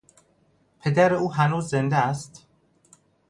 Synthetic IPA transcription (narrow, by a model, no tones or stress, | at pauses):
pʰe̞d̪æɾeuːɦænuːzːend̪ææst̪